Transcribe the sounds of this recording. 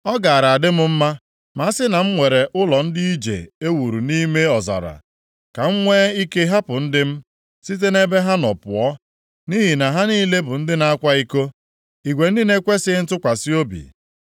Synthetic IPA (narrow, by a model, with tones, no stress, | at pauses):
ɔ˦ɡa˨a˨ɾa˨a˨dɪ˦mʊ˦m̩˦ma˦ | ma˦a˦sɪ˦na˨m̩˦ŋʷe˨ɾe˨ʊ˦lɔ˨n̩˦di˦i˦d͡ʒḛ˨e˦wu˨ɾu˨ni˦me˦ɔ˨za̰˨ɾa̰˨ | ka˨ŋ̩˦ŋʷeː˦i˦ke˦ɦa˦pʊ˨n̩˦dɪ˦m̩˦ | si˦t̬e˦ne˦be˦ɦa˦nɔ˨pʊ˨ɔ˦ | ni˦ɦi˨na˨ɦa˦ni˦le˦bʊ˨n̩˦dɪ˦na˦a˦kʷa˦i˦ko˦ | i˨ɡʷe˨n̩˦di˦ne˦kʷe˦sɪ˦n̩˦tʊ˦kʷa˨si˦o˦bḭ˨